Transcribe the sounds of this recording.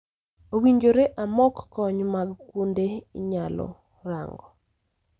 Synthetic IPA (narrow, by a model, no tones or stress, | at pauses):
owiɲd͡ʒoɾeʔamɔkːɔɲmaɡkwondeɪɲalɔ̰ | ra̰ŋɡɔ